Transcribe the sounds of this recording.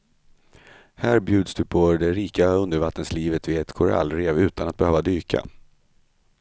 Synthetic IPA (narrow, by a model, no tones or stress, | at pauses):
hæːɾbjʉ̟ːd̪sd̪ɵpʰɔd̪ɛɾiːkaɵnd̪əɾvat̪ːənsliːvət̪vɪɛt̪kʰɔɾa̰lːɾeːvʉ̟ːt̪anat̪̚bɛhøːvad̪yːkʰa̰